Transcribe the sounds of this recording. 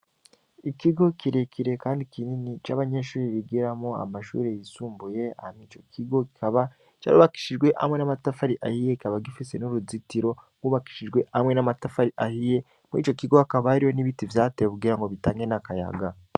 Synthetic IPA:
ikiɡo̞kiɾekʰiɾe̞kaːndikininit͡ʃaβaɲe̞ʃuːɾiβiɡiɾamoa̰maʃṵːɾejisuːmbuje̞a̰hamit͡ʃo̞kʰiɡo̞ki̥kaβa | t͡ʃa̰ːɾṵːβaki̥ʃiʒɡwe̞ʔha̰mŋe̞namatafaɾiʔahije̞kikaβaɡifise̞nuɾuzitiɾo̞ŋɡuːβaki̥ʃiʒɡwe̞amŋe̞namatafaɾiʔahije̞ | mḭt͡ʃo̞kiɡoakaβahaɾijo̞niβitivjaːteːjekuɡiːɾaŋɡo̞βitaːŋɡe̞nakaja̰ɡa

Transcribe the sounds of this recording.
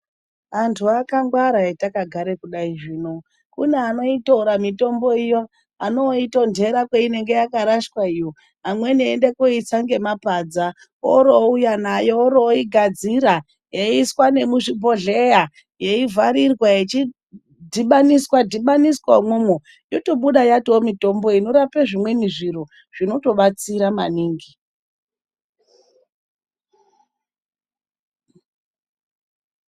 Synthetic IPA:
antʰuakaŋɡwaɾaetakaɡʱaɾe̞kuɗaiʐiːno̞ | kuneano̞itouɾamito̞mbo̞ijo̞ | ano̞ito̞ndʱe̞ɾakweine̞ŋɡe̞jakaɾaʃkwaijo̞ | amwe̞niːndekoit͡saŋɡe̞mapad͡za | o̰ɾo̞ujanajo̞oɾoiɡʱad͡ziɾa | jeiswane̞muʐibʱo̞ɮe̞ja | je̞ivʱaɾirwajet͡ʃi | dʱiɓaniswadʱiɓaniskwamomo | jo̞to̞ɓuɗajatwomito̞mbo̞ino̞ɾapeʐimwe̞miʐiro̞ | ʐ̥ino̞to̞ɓat͡siɾama̰niːŋɡi

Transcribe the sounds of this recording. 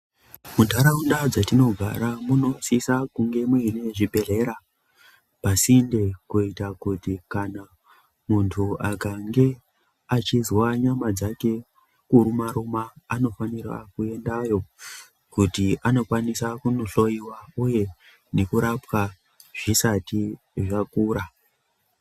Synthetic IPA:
mundʱaɾaundad͡zatino̞ɡʱa̰ɾamuno̞sisakuŋɡe̞muine̞ʐibʱe̞ɮe̞ɾa | pasinde̞kuitakutikana | muntʰuakaŋɡe̞ | at͡ʃizwaɲamad͡zake̞ | kuɾumaɾumaːno̞fanira̰kue̞ndajo̞ | kutiʔano̞kwanisakuno̞ɬo̞iwauje̞ | ne̞kuɾapwa | ʐ̥isati | ʐakuːɾa

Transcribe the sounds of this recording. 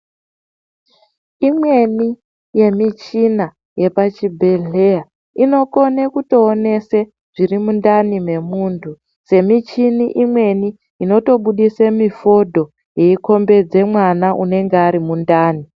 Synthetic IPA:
imwe̞ni | je̞mit͡ʃina | je̞pat͡ʃibʱe̞ɮe̞a | ino̞ko̞nekuto̞ːne̞se | ʐ̥irimundanime̞muːntʰu | se̞mit͡ʃiniʔimwe̞ni | ino̞to̞ɓuɗisemifo̞dʱo̞ | je̞iko̞mbe̞d͡ze̞mwanaʔune̞ŋɡeaɾimundaːni

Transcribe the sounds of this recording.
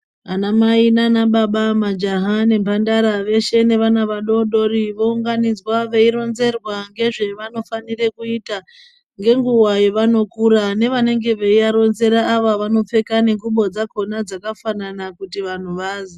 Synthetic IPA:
anamainanaɓaɓamad͡ʒaɦane̞mbandaɾaʋe̞ʃe̞ne̞ʋanaʋaɗo̞ɗo̞ɾiʋo̞uŋɡanid͡zwaʋe̞iɾo̞nze̞rwaŋɡe̞ʐe̞ʋano̞fanire̞kuita | ŋɡe̞ŋɡuwajeʋano̞kuɾane̞ʋane̞ŋɡe̞ʋeiaɾo̞nze̞ɾaːʋaʋano̞p͡fe̞kane̞ŋɡuɓo̞d͡zako̞nad͡zakafananakutiʋan̤uʋaːzi

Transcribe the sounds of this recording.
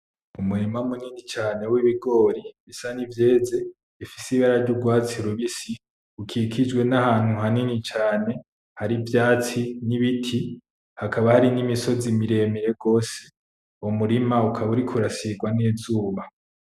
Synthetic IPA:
umuɾimamuninit͡ʃaːne̞wiβiɡo̞ɾiβisanivje̞ːze̞ | ifisiβaɾaɾɟuɡwaːt͡siɾuβisi | ukʰikʰid͡ʒwe̞nahaːn̥huɦaninit͡ʃaːne̞ | haɾivjaːt͡siniβitʰi | hakaβahaɾinimiso̞zimiɾe̞ːmiɾe̞ɡo̞ːse̥ | omuɾimaukʰaβuɾikʰuɾasiɡwaneːzuːβa

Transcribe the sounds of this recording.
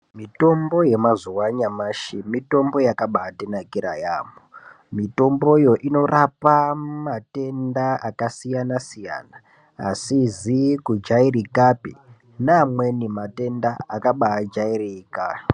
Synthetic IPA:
mito̞mbo̞je̞mazuwaɲamaʃimito̞mbo̞jakaɓaːtenakiɾajaːmo | mito̞mbo̞ijo̞ʔino̞rapamate̞ndaakasijanasija̰na̰ː | sizikud͡ʒairikapi | namwe̞nimate̞ndaakaɓad͡ʒairikaːi

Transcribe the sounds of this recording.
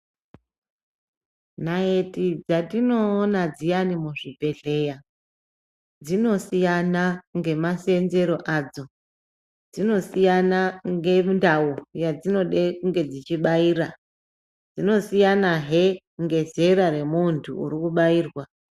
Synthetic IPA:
nae̞tid͡zatino̞ːnad͡zijanimuʐibʱe̞ɮe̞ja | d͡zino̞sijanaŋɡe̞mase̞nze̞ɾo̞ʔaːd͡zo̞ | d͡zino̞sijanaŋɡe̞ndaujad͡zino̞ɗekuŋɡe̞d͡zit͡ʃiɓaiːra | d͡zino̞sijanaɦe | ŋɡe̞zeɾaɾe̞muntʰuṵɾikuɓaiːrwa

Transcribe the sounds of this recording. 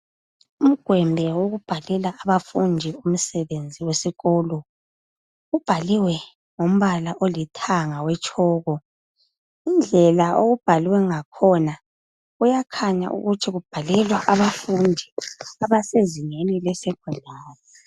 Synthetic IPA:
um̩ɡ̥ʱwɛmbʱɛwoɣub̥ʱalɛlaaβafundʱium̩sɛβend͡zʱiwesiɣɔlɔ | ub̥ʱaliwɛ | ŋom̩βalaʔolitʰaŋawɛt͡ʃʼʰɔːɣɔ | ind͡ɮʱɛlaoɣub̥ʱaliwɛŋakʰɔna | ujakʰaɲa̰ʔṵɣutʰiɣub̥ʱalɛlwaʔaβafundʱiaβaseziŋenilɛsɛɡ̥ʱwɛlʱaːnɔ

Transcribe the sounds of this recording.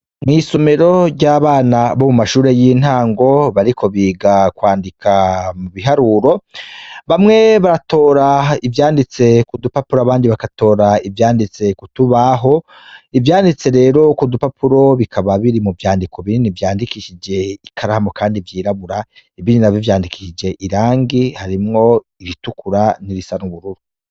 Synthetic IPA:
mŋiːso̞me̞ɾo̞ɾɟaːβaːnaβomumaʃuːɾe̞jin̥haːŋɡo̞βaɾikʰo̞βiːɡakwaːndikʰamuβiɦaɾuɾo̞ | βamŋe̞βaɾatʰo̞ːɾaivjaːndit͡se̞kudupapuɾaβaːndiβakato̞ːɾaivjaːndit͡se̞kutuβaɦo̞ | ivjaːndit͡se̞ɾe̞ːɾo̞kudupapuɾo̞βikʰaβaβiɾimuvjaːndikʰoβininivjaːndikiʃid͡ʒe̞ikʰaɾahamo̞kaːndivjiːɾaβuɾa | ivininavjovjaːndiki̥ʃid͡ʒe̞ʔiɾaːŋɡihaɾimŋo̞ | iɾitukʰuɾaniɾisanuβuɾuɾu

